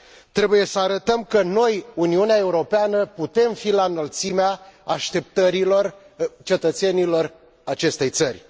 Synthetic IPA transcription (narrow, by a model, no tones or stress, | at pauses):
t̪ɾe̞buje̞səaɾət̪əmkəno̞juniuneae̞uɾo̞peanəput̪e̞mfilanəlt̪simeaaʃt̪e̞p̚t̪əɾilo̞r | t͡ʃe̞t̪ət̪senilo̞r | at͡ʃe̞st̪e̞jt̪sərʲ